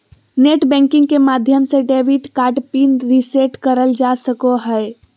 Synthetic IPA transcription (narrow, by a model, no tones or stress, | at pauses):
neʈbɛ̃ŋkĩŋɡkemad̪ʱjəmseɖeʋiʈkaʈpinɾiseʈkəɾəld͡ʒasəkoɦəe